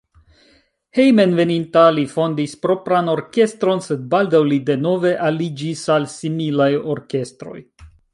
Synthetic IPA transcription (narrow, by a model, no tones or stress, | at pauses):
hejme̞nve̞nintalifo̞ndispɾo̞pɾano̞ɾke̞st̪ɾo̞nse̞d̚baldawlide̞no̞ve̞ʔalid͡ʒisalsimilajo̞ɾke̞stɾo̞̰j